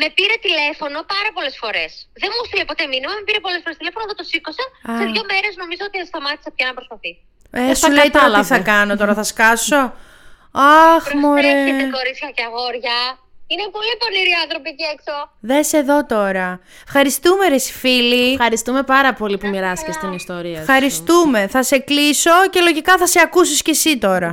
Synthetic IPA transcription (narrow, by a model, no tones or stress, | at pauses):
me̞piɾe̞t̪ile̞fo̞no̞pɐɾɐpo̞le̞sfo̞ɾe̞sðe̞nmuost̪ilepo̞t̪e̞minimɐme̞piɾe̞po̞lesfo̞ɾest̪ile̞fonoðot̪osikosɐseðʝo̞me̞ɾe̞zno̞mizoot̪iɐst̪ɐmɐt̪isɐpçɐnɐpɾo̞spɐθisi | esulejt̪oɐot̪iθɐkɐnot̪o̞ɾɐθɐskɐso̞ | ɐxmoɾeeekoɾit͡s̪çɐceɐɣo̞ɾʝɐ | inepo̞lipo̞niɾiɐnθɾo̞piceeksoðese̞ðo̞t̪o̞ɾɐefxɐɾist̪umeɾesi̥filifxɐɾist̪ume̞pɐɾɐpo̞lipumiɾɐsi̥cest̪inist̪o̞ɾiɐfxɐɾist̪ume̞θɐse̞kliso̞ce̞lo̞ʝikɐθɐseɐkusisce̞sit̪o̞ɾɐ